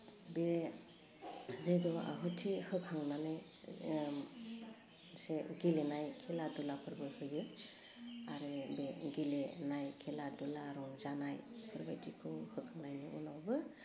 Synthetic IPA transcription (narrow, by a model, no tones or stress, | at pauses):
be | zejɡɔa̰ɦɯtʰihɯkʰhaŋnanɯj | seɡilenajkʰeladulapʰɯɾbɯhɯjɯ | aɾɯbeɡilenajkʰeladulaɾɔŋzanajpʰɯɾbajdikʰɯhɯkʰhaŋnajniṵnawbɯ